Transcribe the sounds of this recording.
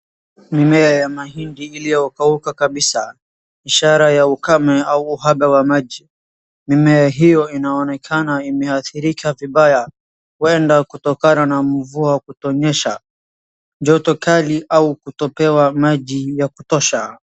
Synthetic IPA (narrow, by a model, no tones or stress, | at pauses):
mimɛajamaɦindiilijɔɔkaukakaɓisa | iʃaɾajaukamɛauːɦaɓawamaʄi | mimɛaɦijɔinaɔnɛkʰanaimɛaθiɾikʰaviɓaja | kuɛndakutɔkananam̩vuawkutɔɲɛʃa | d͡ʒɔtɔkaliʔaukutɔpɛwamaʄijakutɔʃa